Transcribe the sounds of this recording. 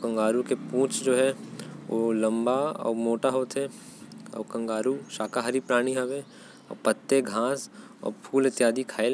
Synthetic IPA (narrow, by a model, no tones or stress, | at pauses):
kɐ̃ŋɡaːɾukepũːt͡ʃd͡ʒoːɦɛolɐ̃mbaɔ̰moːʈaɦoːt̪ɦɛ | ɔ̰ːkɐ̃ŋɡaːɾuʃaːkaɦaɾipɾaːɽ̃iɦɛʋe | ɔ̰ːpət̪ːeɡʱãːs | ɔ̰ːɾpʰuːlɪt̪jaːd̪ikʰaːel